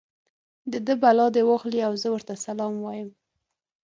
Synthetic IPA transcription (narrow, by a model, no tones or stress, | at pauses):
d̪əd̪əbalɑd̪ewɑxliawzəwəɾt̪asalɑmwɑjəm